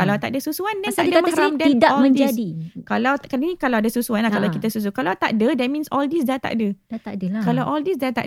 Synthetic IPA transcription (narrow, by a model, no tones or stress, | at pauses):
alawt̪aʔ̚dəsusuandɛaaidəamaɾamdɛidaɔmə̃ɲdd͡ʒdikalawkanĩkalawadəsusuanlahkalawkit̪asus̬ukalawt̪a̰ʔ̚dədɛt̚mĩnsɔldisdat̪a̰ʔdəadəkalawʔɔldisdat̪a̰ʔ